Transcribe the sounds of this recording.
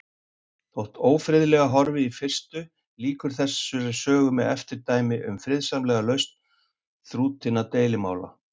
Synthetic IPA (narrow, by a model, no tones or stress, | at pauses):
θowht̪ʰoːwfɾɪðlɛɣaɦɔɾvɪifɪr̥st̪ʏ | liːkʏɾ̥θɛssʏɾasœːɣʏmɛðɛft̪ɪɾt̪aːjmɪʔʏ̰mfɾɪðsamlɛɣalœɥst̪n | θɾuːt̪ʰɪnːat̪eːjlɪma̰ːwla̰